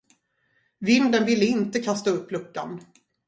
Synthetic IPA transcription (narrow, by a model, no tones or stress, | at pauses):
vɪnd̪ənvɪlːəɪnt̪əkʰast̪aɵpːlɵkːa̰n